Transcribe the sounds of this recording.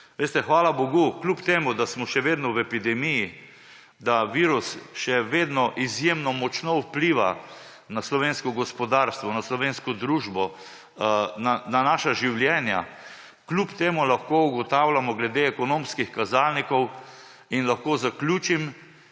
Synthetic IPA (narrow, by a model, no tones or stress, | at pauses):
ʋeːst̪ɛxʋaːlaboɡuklʲupt̪eːmud̪asmɔʃɛʋeːd̪nɔwɛpid̪ɛmiji | d̪aʋiːɾusʃɛʋeːd̪nɔʔizjemnɔmɔt͡ʃnɔupliːʋa̰ | naslɔʋeːnskɔɡɔspɔd̪aːɾst̪ʋɔnaslɔʋenskɔd̪ɾuːʒbɔ | nananaːʃaʒiwljɛːnja̰ | klupt̪eːmulaxkouɡɔt̪awlamɔɡlɛd̪eɛkɔnõmskixkazalnikɔw | inlaxkozaklʲuːt͡ʃim